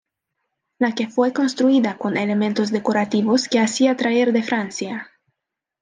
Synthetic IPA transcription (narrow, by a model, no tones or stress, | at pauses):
lakefwe̞ko̞nst̪ɾuiðako̞nele̞ment̪oz̬d̪e̞koɾat̪iβoske̞asiat̪ɾae̞ɾðe̞fɾansja